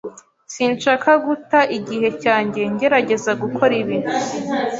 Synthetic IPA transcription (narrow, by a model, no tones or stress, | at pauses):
siːnʃakaɡutaʔiɟiɦe̞caːɲɟe̞ɲɟe̞ɾaɟe̞zaɡukʰo̞ɾiβin̥u